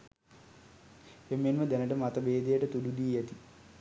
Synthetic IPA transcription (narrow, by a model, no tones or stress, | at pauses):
emːenməd̪ænəʈəmat̪əbeːd̪ejəʈət̪udud̪iːjɛt̪i